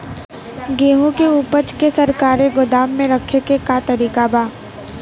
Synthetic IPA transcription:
ɡeːɦũkeuːpət͡ʃkesɐɾkaːɾeɡʊd̪aːmːẽɾɐkʰekekat̪ɐɾiːkabʱaː

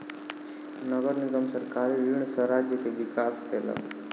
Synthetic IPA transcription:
nəɡəɾniɡəmsəɾkaɾiʋiɳ̃səɾad͡ʒjəkeʋikaːskʰelə̰

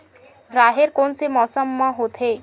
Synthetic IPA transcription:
ɾaːɦeɾkonsemɔsəmːaɦot̪ʰe

